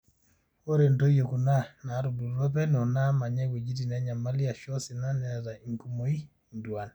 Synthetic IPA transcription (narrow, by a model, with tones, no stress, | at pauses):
o˦ɾe˨ndo˦jo˨ku˨na˦na˨˦ɾu˨bu˨ɾɔ˦pɛ˦nɔ˨na˦ma˨ɲɛ˦we˨d͡ʒi˦ti˨nɛ˦ɲa˨ma˦li˦a˨ʃɔ˦si˨na˦nɛ˨ta˨i˨ŋku˦mo˦i˦ | ndu˨a˨n